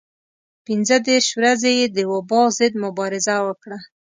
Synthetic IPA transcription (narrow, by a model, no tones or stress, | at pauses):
pɪnzəd̪eɾʃwɾazejed̪əwabɑzɪd̪mʊbɑɾɪzawəkɽa